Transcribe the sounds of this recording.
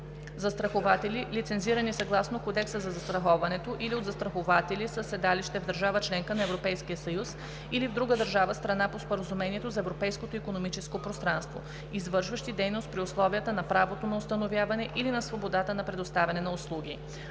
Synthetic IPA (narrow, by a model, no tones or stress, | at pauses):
zɐst̪ɾɐxovat̪ɛlilit̪sɛnziɾənisɐɡlˠasnokod̪ɛksəzɐzɐst̪ɾɐxɔvɐnɛt̪oʔiliod̪zɐst̪ɾɐxovat̪ɛlisəsɛd̪aliʃt̪ɛvd̪əɾʒavət͡ʃlɛŋkənɐɛvɾopɛjskijəsɐjus | ilivd̪ɾuɡəd̪əɾʒavəst̪ɾɐnapospoɾəzumɛniɛt̪ozɐɛvɾopɛjskot̪oikonomit͡ʃɛskopɾost̪ɾanst̪vo̰ | izvɤɾʃvəʃt̪id̪ɛjnost̪̚pɾiʊslˠɔviət̪ənɐpɾavot̪onɐʊst̪ɐnovjavɐnɛʔilinɐsvobod̪at̪ənɐpɾɛd̪ost̪avʲɐnɛnɐʊslˠuɡ̟i